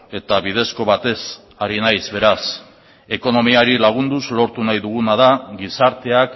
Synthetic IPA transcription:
e̞t̪aβiðe̞sko̞βat̪e̞s | aɾinajzβe̞ɾas | e̞ko̞no̞miaɾilaɣ̞und̪uzlo̞ɾt̪unajðuɣ̞unaðaɡisaɾt̪e̞ak

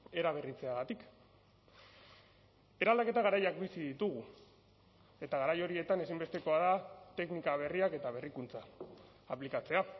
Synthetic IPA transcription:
e̞ɾaβ̞e̞rit͡se̞aɣat̪ik | e̞ɾald̪ake̞t̪aɣ̞aɾajak̚bisiðit̪uɣ̞u | e̞t̪aɣ̞aɾajo̞ɾie̞t̪ane̞simbe̞st̪e̞ko̞aðat̪e̞knikaβ̞e̞riake̞t̪aβ̞e̞rikunt͡saː | plikat͡se̞a

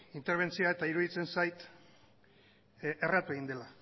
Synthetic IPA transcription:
int̪e̞ɾβ̞e̞nt͡sioaet̪aiɾuðit͡se̞nsajt̪ | erat̪ue̞ɣ̞ind̪e̞la

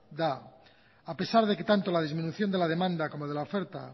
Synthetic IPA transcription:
d̪aː | pe̞saɾð̞e̞ke̞t̪ant̪o̞lað̞izmĩnuθjo̞nd̪e̞lað̞e̞mãnd̪ako̞moð̞elaofe̞ɾt̪a̰

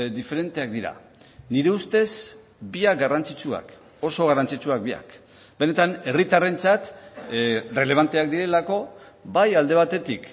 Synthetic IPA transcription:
d̪ife̞ɾe̞nt̪e̞ak̚d̪iɾa̰ | niɾe̞ust̪e̞s | biak̚ɡarant͡sit͡sua̰k | o̞so̞ɣ̞arant͡sit͡suak̚bia̰k | be̞ne̞t̪ane̞rit̪are̞nt͡sat̪ | re̞le̞β̞ant̪e̞ak̚d̪iɾe̞lako̞ | bajald̪e̞β̞at̪e̞t̪ik

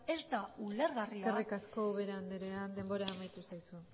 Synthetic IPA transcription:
ezd̪auleɾɣarsikerikasko̞βe̞ɾand̪eɾe̞and̪e̞mbo̞ɾaːmajt̪usajsu

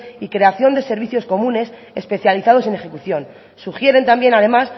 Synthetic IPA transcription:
ikɾe̞aθjo̞nd̪e̞se̞ɾβ̞iθjo̞sko̞mũne̞s | espeθjaliθaðo̞se̞ne̞xe̞kuθjo̞n | suxje̞ɾe̞nt̪ambje̞naðe̞mas

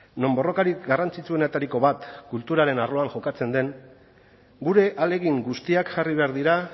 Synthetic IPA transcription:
no̞mbo̞ro̞kaɾikɡarant͡sit͡sue̞net̪aɾiko̞βat̪kult̪uɾaɾe̞narlo̞aŋxo̞kat͡se̞nd̪e̞ŋ | ɡuɾe̞ʔale̞ɣiŋɡust̪iakʝariβ̞e̞aɾðiɾa

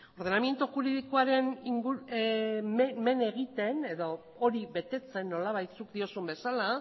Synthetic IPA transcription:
o̞ɾð̞enamje̞nt̪uxuɾiðikoaɾe̞niŋɡue | me̞ne̞ɣit̪e̞ne̞ðo̞ | oɾiβe̞t̪e̞t͡se̞nːo̞laβajt͡sukd̪io̞sumbe̞sala

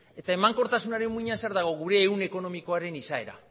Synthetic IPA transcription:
e̞t̪ae̞maŋko̞ɾt̪asunaɾe̞mːuiɲanseaɾðaɣ̞o̞ɣuɾe̞ːune̞ko̞no̞miko̞aɾe̞nisae̞ɾa̰

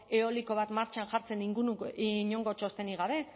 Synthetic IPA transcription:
eo̞liko̞β̞at̪maɾt͡ʃanʝaɾt͡se̞niŋɡunuiɲo̞ŋɡo̞t͡ʃost̪e̞niɣ̞aβe̞

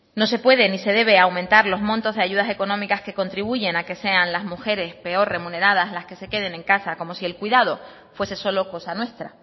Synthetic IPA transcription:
no̞se̞pwe̞ð̞e̞nise̞ð̞e̞β̞e̞awmẽ̞nt̪aɾlo̞zmõnt̪o̞zðeaʝuð̞ase̞ko̞nõ̞mikaske̞ko̞nt̪ɾiβ̞uʝe̞nake̞se̞anlazmuxe̞ɾe̞spe̞o̞ɾre̞mũne̞ɾað̞azlaske̞se̞ke̞ð̞e̞nẽ̞ŋkasako̞mo̞sie̞lkwiðað̞o̞ | fwe̞se̞so̞lo̞ko̞sanwe̞st̪ɾa

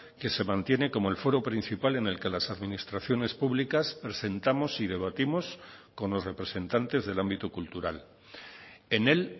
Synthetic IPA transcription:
ke̞se̞mãnt̪je̞ne̞ko̞mo̞e̞lfo̞ɾo̞pɾin̟θipale̞ne̞lke̞lasaðmĩnist̪ɾaθjo̞ne̞spuβlikaspɾe̞se̞nt̪amo̞sið̞e̞β̞at̪imo̞sko̞nlo̞sre̞pɾe̞se̞nt̪ant̪e̞zðe̞lambit̪ukult̪uɾal | e̞ne̞l

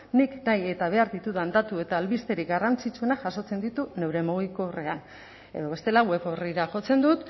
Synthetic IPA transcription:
niknaje̞t̪aβ̞e̞aɾðit̪uðand̪at̪ue̞t̪aːlβist̪e̞ɾikɡarant͡sit͡sue̞naʝaso̞t͡se̞nd̪it̪une̞wɾe̞muɣ̞iko̞ːre̞an | e̞̰ðo̞βe̞st̪e̞laɣwe̞βoriɾaʝo̞t͡se̞nd̪ut̪

